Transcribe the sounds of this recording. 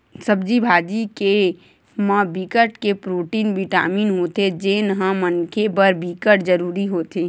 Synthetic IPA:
səbd͡ʒibʱaːd͡ʒike | mãbikəʈkepɾoːʈiːnbiʈa̰ːmiːnɦot̪ed͡ʒenɦãmənkʰebəɾbikəʈd͡ʒəɾuːɾiɦoːt̪e

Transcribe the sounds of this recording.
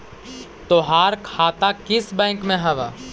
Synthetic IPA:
t̪oɦaːɾkʰaːt̪akɪsbɛ̃ːŋkmẽɦɐʋa̰ː

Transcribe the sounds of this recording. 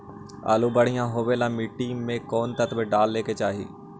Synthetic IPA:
a̰ːlubəɽ̤ijãːɦoːʋeːlaːmiːʈːiːmːẽkɔːnt̪ət̪beɖaːlːeːket͡ʃaːɦḭː

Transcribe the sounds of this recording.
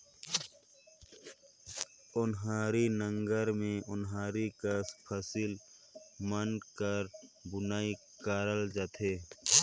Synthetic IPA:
ʊnɦaːɾinə̃ŋɡəɾmẽʊnɦaːɾikaspʰəsil | mənkəɾbʊnaːi | kaːɾəld͡ʒaːt̪ʰeː

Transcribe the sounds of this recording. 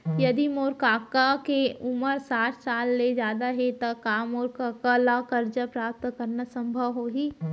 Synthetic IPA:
jɐd̪imoːɾkaːkakeʊməɾsaːʈʰsaːlːed͡ʒjaːd̪aɦet̪ɐkaːmoːɾkaːkalakɐɾd͡ʒəpɾaːp̚t̪kɐɾnasɐ̃mbʱəʋɦoːɦiː

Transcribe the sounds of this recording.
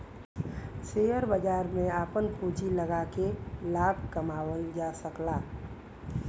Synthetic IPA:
seːjəɾbəd͡ʒaːɾmẽaːpənpuːd͡ʒiləɡakelaːb̚ʱkɐmaːʋəld͡ʒaːsəklaː

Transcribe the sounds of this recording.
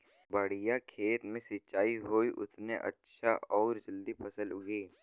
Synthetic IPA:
bɐɽijakʰeːt̪mẽsɪt͡ʃaːiɦoːiʔʊ̰t̪neʔɐ̰tːʃʰaʔɔːɾd͡ʒɐld̪ipʰɐsəlʊɡeː

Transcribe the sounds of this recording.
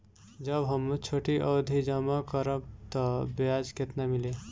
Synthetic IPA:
d͡ʒʌbɦəmt͡ʃʰoʈiʔɔd̪ʱid͡ʒəmakʌɾəb̚t̪ʌbjad͡ʒket̪namile

